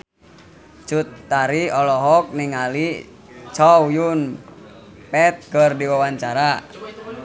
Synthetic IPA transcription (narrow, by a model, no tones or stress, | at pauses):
t͡ʃut̪ːaɾiɔlɔɦɔk̚niŋali | t͡ʃɔwjun | pɛt̪̚kərdiwawaɲt͡ʃaɾa